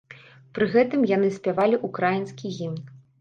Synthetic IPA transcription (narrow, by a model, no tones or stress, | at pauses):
pɾɨɣɛt̪ɨmjan̪ɨsʲpʲavalʲiʔukɾajinskʲiɣʲimʲ